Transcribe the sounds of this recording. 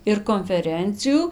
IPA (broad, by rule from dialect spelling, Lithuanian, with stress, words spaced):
ɪr koːnʲfʲɛˈrʲɛnʲt͡sʲɪjuː